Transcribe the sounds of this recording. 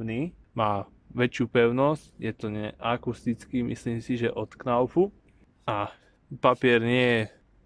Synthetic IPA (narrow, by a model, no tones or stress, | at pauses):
niː | maː | ʋɛt͡ʃjupɛʊnɔscjɛt̪ɔɲɛ̰ʔakust̪it͡skimḭsliːmsiʒɛʔɔt̪knaʊpu | ʔa | papɪɛɾɲɪɛjɛ